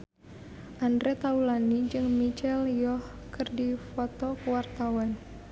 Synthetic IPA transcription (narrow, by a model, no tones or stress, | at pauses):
ʔandɾɛt̪aulanid͡ʒɨŋmit͡ʃɛljɔh | kɨrdifɔt̪ɔkəwart̪awan